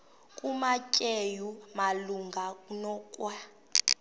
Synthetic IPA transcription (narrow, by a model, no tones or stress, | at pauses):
kʼumacʼejumaluŋɡʱanɔkʼwa